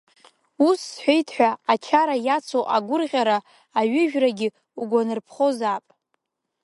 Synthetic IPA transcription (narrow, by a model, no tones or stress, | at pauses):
usħʷejtʰħᶣʷaat͡ʃʰaɾajat͡sʰoʔaɡʷʊrʁʲaɾaː | ɥʏʒᶣraɡʲɪ | uɡʷanɨrpʰχo̞zapʼ